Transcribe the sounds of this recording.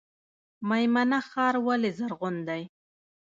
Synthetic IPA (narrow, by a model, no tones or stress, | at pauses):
majmanaxɑːɾwalezaɾɣʊnd̪aj